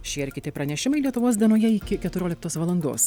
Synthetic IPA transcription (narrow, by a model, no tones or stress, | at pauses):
ʃʲiːɛɾʲkʲɪt̪ʲɪpɾɐnʲɛʃʲɪmɐɪlʲiɛt̪ʊʋoːs̬d̪ʲiɛnoːjɛɪkʲɪkʲɛt̪ʊɾʲoːlʲɪk̚t̪oːsʋɐlˠɐnd̪o̰ːs